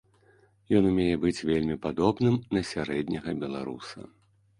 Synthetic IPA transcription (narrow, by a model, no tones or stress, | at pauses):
jɔnumʲejɛbɨt͡sʲvʲelʲmʲipad̪ɔbnɨmnɐsʲaɾɛd̪ʲnʲɐɣɐbʲɛlˠa̰ɾṵsɐ̰